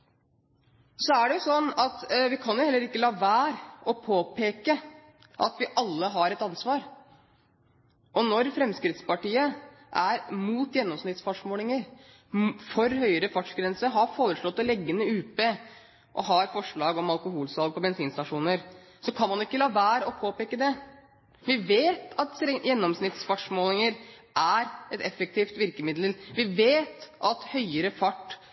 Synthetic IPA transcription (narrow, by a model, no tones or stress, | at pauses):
sɔæɖɛjʊsɔnːɑt̪ʋɪkʰɑnjʊhɛlːəɾɪkːəlɑːʋæːɾɔpʰoːpʰeːkə | ʔɑ̰t̪ʋɪʔɑlːəɦɑɾɛt̪ɑnsʋɑːɾ | ʔɔnɔɾfɾɛmskɾɪt̪spɑʈiːə | ʔæɾmuːt̪jɛnːɔmsnɪt̪sfɑʂmoːlɪŋəɾ | fɔɾhœʏəɾəfɑʈʂɡɾɛnsəɦɑɾfoːɾəʂɭɔt̪ːɔlɛɡːənəʉːpə | ʔɔ̰ɦɑɾfɔʂɭɑːɡɔmɑlˠkʊɦuːlsɑlɡ̚pɔbɛnsiːnst̪ɑʂuːnəɾ | sɔkʰɑnmɑnɪkːəlɑːʋæːɾɔpʰoːpeːkəd̪ɛ | ʋɪʋeːt̪ɑt̪sɛjɛnːɔmsnɪt̪sfɑʈʂmoːlɪŋəɾʔæɾɛt̪ɛfək̚t̪ʰiːft̪ʋɪɾkəmɪd̪ləlʋɪʋeːt̪ʔɑt̪hœʏəɾəfɑʈː